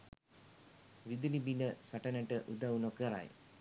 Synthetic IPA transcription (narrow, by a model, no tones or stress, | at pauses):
ʋid̪ulibinəsaʈənəʈəʔud̪aunokəɾa̰j